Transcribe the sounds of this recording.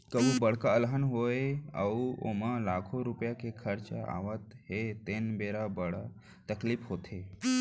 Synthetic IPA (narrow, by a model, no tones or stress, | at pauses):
kəbubəɽ̤kaəlɦənɦoeə̰uo̰malaːkʰoɾupjakekʰəɾt͡ʃəa̰ʋət̪ɦet̪enbeɾabəɽa | t̪əkliːpɦoːt̪ʰe